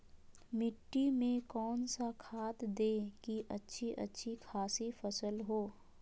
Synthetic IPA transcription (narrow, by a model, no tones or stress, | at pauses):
mɪʈːimẽkɔːnsakʰaːt̪d̪eːkiʔɐtːʃʰiʔɐ̰tːʃʰikʰaːsifɐsəlɦoː